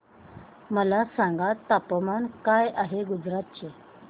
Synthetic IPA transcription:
məlasãŋɡat̪apəmankajaɦeɡud͡zɾat̪̚t͡ɕe

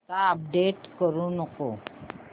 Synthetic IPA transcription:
kaəp̚ɖeʈkəɾunəko

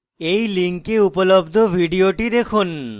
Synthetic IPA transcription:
ejliŋkeupolobd̪ʱobʱiɖioʈid̪ekʰun

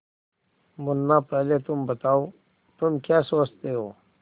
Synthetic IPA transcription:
mʊnːaːpəɦlet̪umbət̪aːoː | t̪umkjaːsoːst̪eːɦoː

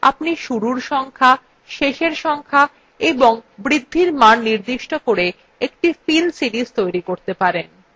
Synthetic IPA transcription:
a̰pniʃuɾuɾʃɔŋkʰa | ʃeʃeɾʃɔŋkʰa | eboŋbɾid̪ʱːiɾmanːiɾd̪iʃʈokoɾe | ekʈifilsiɾizt̪ojɾikoɾt̪epaɾen

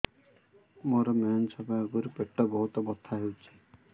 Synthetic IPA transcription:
moɾɔmeɔnsɔbʱaɔɡuɾpeʈːɔbɔɦut̪ɔbɔt̪ʰːaɦewt͡ʃʰi̥

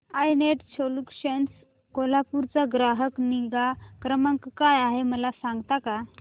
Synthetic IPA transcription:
ajneʈt͡ɕʰolukɕəns | kolapuɾt͡saɡɾaɦəkniɡakɾəmə̃ŋkːajaɦeməlasãŋɡt̪aka

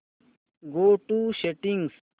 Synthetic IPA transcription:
ɡoːʈuɕeʈiŋɡs

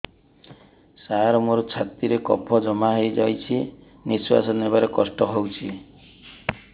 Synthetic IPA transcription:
saɾɔmoɾɔt͡ʃʰat̪iɾekɔ̰pʰɔd͡ʒɔmaɦejd͡ʒajt͡ʃʰi | niswa̰sɔnebaɾekɔsʈɔɦowt͡ʃʰi

